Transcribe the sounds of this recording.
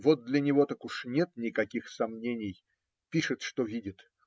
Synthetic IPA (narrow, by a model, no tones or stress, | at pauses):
vot̪̚d̪lʲənʲɪvo̞t̪akʊʂnʲet̪nʲɪkɐkʲixsɐmnʲenʲɪj | pʲiʂɨt̪ʂt̪ovʲidʲɪt̪